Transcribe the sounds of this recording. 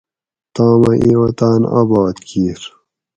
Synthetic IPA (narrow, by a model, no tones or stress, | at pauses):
t̪aːmɐʔiwɐt̪aːna̰bɑːt̪kiːɾ